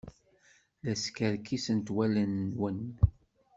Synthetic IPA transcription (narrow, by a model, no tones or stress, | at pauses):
læskəɾkːisənt̪wælənːwən